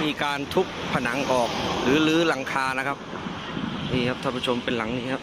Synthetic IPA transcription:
miː˧kaː˧nt̪ʰu˦˥k̚pʰa˧na˩˦ŋʔɔː˨˩k̚ɾɯː˩˦lɯː˦˥la˨˩˦ŋkʰaː˧na˦˥kʰa˦˥p̚ | nʔiː˧˩kʰa˦˥p̚t̪ʰaː˧˩pʰu˦˥˩t͡ɕʰo˧mpe˧nla˩˦ŋniː˧˥kʰa˦˥p̚

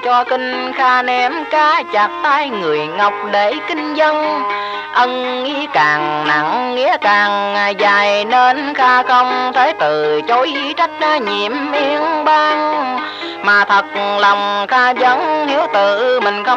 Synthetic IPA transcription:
t͡ɕɔ˧kï˧ŋ̟xaː˧nɛ˧˦mkaː˧t͡ɕaː˨˩k̚t̪aː˧jŋɨ˨˩əjŋa˨˩wk͡p̚ɗe˧˩˦kï˧ŋ̟zə˧n | ʔə˧nŋi˧kaː˨˩ŋna̰˨˧˩ŋːḭ˧˥əkaː˨˩ŋŋaː˨˩jzaː˨˩jne˧nxaː˧xə˧wŋ͡mt̪ʰe˨˦t̪ɨ˨˩t͡ɕo˨˦jʔi˧˦t͡ɕa˦˥t̟̚zaː˧ɲi˨˩˨əmʔi˧˦əŋɓaː˧ŋ | maː˨˩t̪ʰə˨˩t̚lɔ˨˩wŋ͡mxaː˧zə˨˦nhi˨˦əwt̪ɨ˧˨mï˨˩ŋ̟xə˧

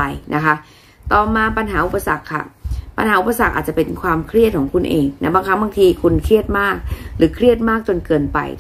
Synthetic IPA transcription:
a˧jnʔa˦˥kʰa˦˥ʔ | t̪ɔː˨˩maː˧pa˧nɦaː˩˦ʔu˨˩pːa˧sa˨˩kʰːa̰˥˩pa̰˧nhaː˩˦u˨˩pːa˧sa˨˩k̚ʔaː˨˩t̪̚t͡ɕa˨˩pe˧nkʰwaː˧mkʰɾi˥˩t̪̚kʰɔː˩˦ŋkʰu˧nʔeː˧ŋna˦˥baː˧ŋkʰa˦˥baː˧ŋt̪ʰiː˧kʰu˧nkʰɾi˥˩ət̪̚maː˥˩k̚ɾɯː˩˦kʰɾi˥˩ət̪̚maː˥˩k̚t͡ɕo˧nkɤː˧npa̰˧j

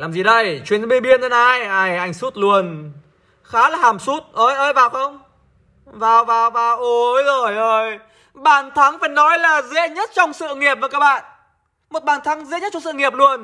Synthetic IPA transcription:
laː˨˩mzi˨˩ɗə˧˩jt͡ɕwi˧˩ən˨˦ɓi˧ɓi˧ənːə˧na˧jʔaː˧˩jʔa˧˩jŋ̟su˦˥t̚lu˧˩ən | xaː˨˦laː˨˩haː˨˩msu˦˥t̚ʔəː˧jʔəː˧˦jvaː˨˩wxə˧wŋ͡m | vaː˨˩wvaː˨˩wvaː˨˩wʔo˨˦jzo˨˩jʔəː˧˩j | ɓaː˨˩nt̪ʰa˨˦ŋfaː˧˩jnɔ˨˦jlaː˨˩zɛ̰˧˥ɲə˦˥t̚t͡ɕɔ˧wŋ͡msɨ̰˧˨ŋi˨˩əp̚vaː˨˩kaː˦˥k̚ɓa̰ː˧˨n | mo˨˩t̚ɓaː˨˩nt̪ʰa˨˦ŋzḛ˧˥ɲə˦˥t̚t͡ɕɔ˧ŋ͡msɨ̰˧˨ŋi˨˩əp̚lu˧ən

